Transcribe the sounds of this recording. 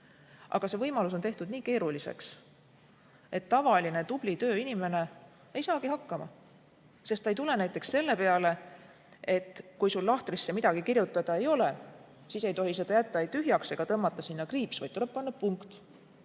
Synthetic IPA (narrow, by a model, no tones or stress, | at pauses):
ʔɑ̰ɡ̥ɑse̞vɤjmɑlus̬o̞nt̪e̞ht̪ud̪̥niːke̞ːɾulisḛks | e̞t̪ːɑvɑline̞t̪ub̥lit̪ø̞ːinime̞ne̞ | ejsɑːkihɑkːˑɑmɑ | se̞st̪ːɑejt̪ule̞næjt̪ːˑe̞ksːe̞lːe̞pe̞ɑle̞ | e̞t̪ːˑkujsulːɑht̪risːe̞mid̪ɑɡ̥ikirjut̪ːˑɑd̪̥ɑe̞jo̞le̞ | siːse̞jt̪o̞ɦise̞d̪̥ɑjæt̪ːˑɑejt̪yɦjɑkse̞ɡ̥ɑt̪ɤmːɑt̪ːˑɑsinːɑkriːpsvɑ̰j̪t̪t̪ule̞p̚pːɑnːɑpuŋkt̪